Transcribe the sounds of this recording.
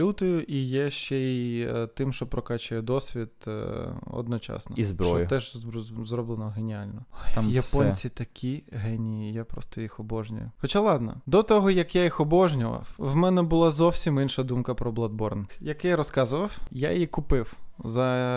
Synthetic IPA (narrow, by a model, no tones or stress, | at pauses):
ut̪ɔjʊʔijɛʃt͡ʃɛit̪ɪmʃt͡ʃɔpɾɔkɑt͡ʃʊjɛd̪ɔsʲʋʲit̪ | ɔ̰d̪nɔt͡ʃɑ̰snɔ̰izbɾt͡ʃɔɔjʊt̪ɛʒzrɔblˠenɔɦenʲialʲnɔmjɐpɔnʲt͡sʲit̪ɐkʲʰiɦɛnʲijijapɾɔ̰st̪ɔjixɔbɔʒnʲʊ̰jʊ̰wxɔt͡ʃalˠɑd̪nɐ̰d̪ɔt̪ɔɦɔjɐkjajixɔbɔʒnʲʊʋɐ̰wwmɛnɛbʊlˠɑzɔwsʲiminʃɐd̪umkɐpɾɔblˠɐd̪̚bɔrnjɐkɛjɾɔskɑzʊʋɐwja̰jikʊpɪwzɐ